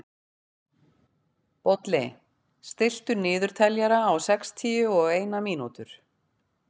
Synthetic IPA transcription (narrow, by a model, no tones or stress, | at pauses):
pɔt̪lɪ | st̪ɪl̥t̪ʏɾnɪːðʏɾ̥t̪ʰɛljaɾaːwsɛkst̪ʰiːʏɔɣeːjnamiːnut̪ʏɾ̥